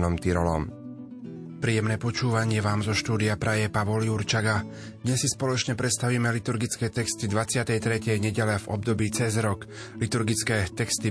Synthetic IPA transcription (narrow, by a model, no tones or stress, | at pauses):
nɔmt̪iɾɔlɔ̰m | pɾiːjɛmnɛːpɔt͡ʃuːʋaɲɪɛʋaːmzɔʃt̪uːd̪iapɾajɛpaʋɔljuɾt͡ʃaɡa | d̪ɲɛsːispɔlɔt͡ʃɲɛpɾɛt̪st̪aʋiːmɛlit̪uɾɡit͡skɛːt̪ɛkst̪id̪ʋat͡sɪat̪ɛjt̪ɾɛcɛjɲɛɟɛlavɔ̰bd̪ɔbiːt͡sɛzɾɔklit̪uɾɡit͡skɛːt̪ɛkst̪i